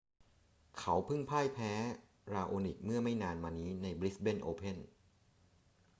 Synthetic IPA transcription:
kʰa˩˦wpʰɯ˥˩ŋpʰaː˥˩jpʰɛː˦˥ | ɾaː˧ʔoː˧ni˨˩k̚mɯ˥˩ɐəma˥˩jnaː˧nmaː˧niː˦˥na˧jbɾi˦˥be˥˩nʔoː˧pʰe˥˩n

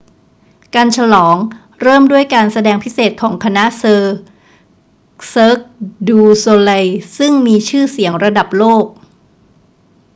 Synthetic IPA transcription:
kaː˧nt͡ɕʰa˧lɔː˩˦ŋ | ɾɤː˥˩mdu˥˩əjkaː˧nsa˧dɛː˧ŋpʰi˦˥seː˨˩t̪̚kʰɔː˩˦ŋkʰa˧na˦˥ʔsɤː˧ | sɤː˦˥k̚duː˧soː˧la˧jsɯ˥˩ŋmiː˧t͡ɕʰɯː˥˩si˨˩˦əŋɾa˧da˨˩p̚loː˥˩k̚

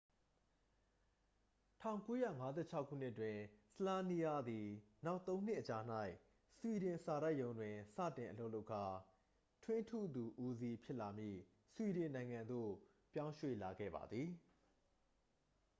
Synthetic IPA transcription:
tʰã˦˨ʊ̃ŋko˦jä̰˦˨ŋa˦zɛ̰˦˨t͡ɕʰa˦kʰːṵ˦˨n̥ɪ˦ʔtwɪ̃˨səlã˦ni˦a˦d̪i˨na˦ʊt̪ːõ˦ʊ̃n̥ɪ˦ʔət͡ɕa˨n̥a˦ɪ | swi˨ɾɪ̃˨sa˨ɾa˦ɪʔjõ˨˦ʊ̃ndwɪ̃˨sä̰˦˨tɪ̃˨ʔə˨lo˦ʊʔlo˦ʊkʰa˨ | tʰwɪ̃˦ntʰṵ˦˨d̪u˨ʔu˦zi˦pʰjɪ˦ʔla˨mjḭ˦˨ | swi˨ɾɪ̃˨nã˨ɪ̃ŋã˨nd̪o̰˦˨ | pjã˦ʊ̃ʃwḛ˦˨la˨ɡɛ̰˦˨ba̰˨d̪ði˨

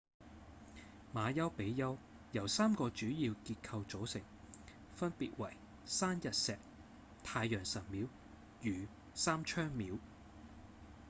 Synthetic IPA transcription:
maː˨˧jɐ˥wpe˨˥jjɐ˥w | jɐ˨˩wsaː˥mkɔː˧t͡ʃyː˨˥jiː˧wkiː˧t̚kʰɐ˧wt͡so˨˥wsɪ˨˩ŋ | fɐ˥npiː˨t̚wɐ˨˩j | saː˥njɐ˨t̚sɛː˨k̚ | t̪ʰaː˧jːœː˨˩ŋsɐ˨˩t̚miː˨˥w | jyː˨˩ | saː˥mt͡ʃʰœː˥ŋmiː˨˥w

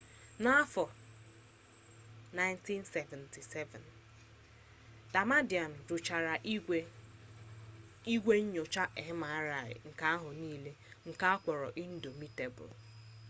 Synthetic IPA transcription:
na˦a˦fɔ˨ | na˦ɪ˦nti˦nse˨vɛ˨nti˨sɛ˦vɛ̰˨n | d̥a˨ma˦di˨a˨n̩˨ɾʊ˨t͡ʃa˨ɾa˨˦ | i˦ɡʷe˦ɲ̩˦ɲo˨t͡ʃa˦ʔe˨ɦɪ˦ma˨a˦ɾa˨ɾɪ̰˨ŋ̩˨ka˦a˦ɦʊ˨niː˦le˦ŋ̩˨ka˦a˦kʷɔ˨ɾɔ̰˨ʔi˦n̩˦do˨mi˦te˨bʊ̰˨l

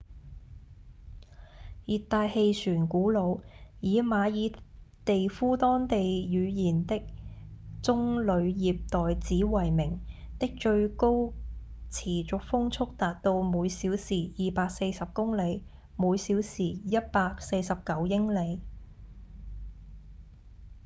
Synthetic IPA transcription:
jiː˨tt̪ːaː˧jhe˧jsyː˨˩nkuː˨˥lo˨˧wjiː˨˧maː˨˧jiː˨˧t̪e˨jfuː˥t̪ɔː˥ŋt̪e˨jjyː˨˧jiː˨˩nt̪ɪ˥k̚t͡sʊ˥ŋlɵ˨˧ɥjiː˨p̚t̪ɔː˨jt͡siː˨˥wɐ˨˩jmɪ˨˩ŋ | t̪ɪ˥k̚t͡ʃɵ˧ɥko˥w | t͡sʰiː˨˩t͡sʊ˨k̚fʊ˥ŋt͡sʰʊ˥k̚t̪aː˨t̚t̪o˧wmuː˨˧jsiː˨˥wsiː˨˩jiː˨paː˧k̚se˧jsɐ˨p̚kʊ˥ŋle˨˧j | muː˨˧jsiː˨˥wsiː˨˩jɐ˥t̚paː˧k̚se˧jsɐ˨p̚kɐ˨˥wjɪ˥ŋle˨˧j

